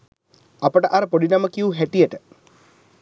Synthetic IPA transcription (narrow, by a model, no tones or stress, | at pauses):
ɐpɐʈɐʔɐɾpoɽinɐmɐkːijuɦeʈːijɐʈə